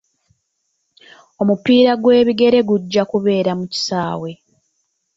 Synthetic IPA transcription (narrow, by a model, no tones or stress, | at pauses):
o̞mupiːɾaɡwe̞ːβiɡe̞ɾe̞ɡuɟːakuβe̞ːɾamuci̥saːwe̞